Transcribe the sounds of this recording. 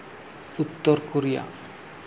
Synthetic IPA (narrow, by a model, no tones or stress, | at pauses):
ut̪ːoɾkoɾija̰